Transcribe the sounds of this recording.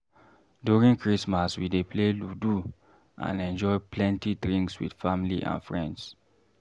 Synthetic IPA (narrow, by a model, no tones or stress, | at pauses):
djuɹĩŋkɹismaswidepʰleludu | ʔã̰nɛ̃nd͡ʒɔɪplɛ̃ntidɹĩŋkswḭd̥familiʔã̰nfɹɛ̃nds